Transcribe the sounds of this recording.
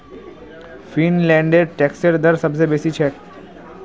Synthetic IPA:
finlɛ̃ːɳɖeɾʈɛːkseɾd̪əɾsəbsebeːsit͡ʃʰɛː

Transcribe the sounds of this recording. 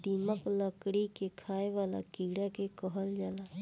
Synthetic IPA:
d̪iməkləkɽikekʰaːeʋaːla̰kiɽakekəɦəld͡ʒaːla

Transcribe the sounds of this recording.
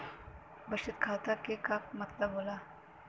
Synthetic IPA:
bɐʃɪt̪kʰaːt̪akekamɐt̪ləbɦoːlaː

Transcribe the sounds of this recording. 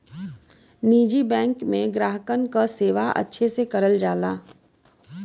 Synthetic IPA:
niːd͡ʒibɛ̃ːŋkmẽɡɾaːɦəkənkaseːʋaʔɐ̰tːʃʰesekɐɾəld͡ʒaːlaː

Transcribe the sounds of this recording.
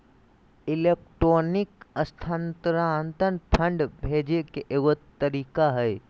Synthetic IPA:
ɪleːk̚ʈɾoːnɪkəst̪ʰãnt̪ɾant̪ənpʰə̃ɳɖbʱeːd͡ʒekeʔewət̪t̪ːəɾiːkaɦɛj

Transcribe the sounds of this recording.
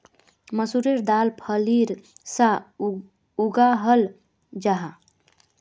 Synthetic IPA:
məsuɾiɾd̪aːlpʰəliɾsa | uɡaɦəl | d͡ʒaɦa

